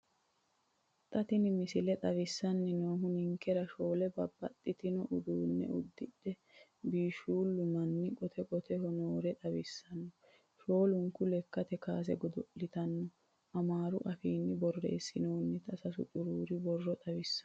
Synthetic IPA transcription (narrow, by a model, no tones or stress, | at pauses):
t̪ʼɐt̪ɪnɪmɪsɪlɛt̪ʼɐwɪsːɐnːɪnoːɦʊnɪŋkːɛɾɐʃoːlɛbɐbːɐt̪ʼːɪt̪ɪnɔʔʊd̪uːnːɛ̰ʊd̪ːɪd̪ɛ | biːʃuːlːʊmɐnːɪkʼɔt̪ʰɛkʼɔt̪ʰɛhɔnoːɾɛt̪ʼɐwɪsːɐnːɔ | ʃo̞ːlʊŋkʊlɛkːɐt̪ɛkaːs̬ɛ̰ɡɔd̪ɔʔːɪt̪ɐnːɔ | ʔɐmaːɾʊʔɐfiːnːɪbɔrːḛːsːɪnoːnːɪt̪ʰʼɐsɐsʊ̰t̪ʼʊɾuːɾɪbɔrːɔt̪ʼɐwɪsːɐ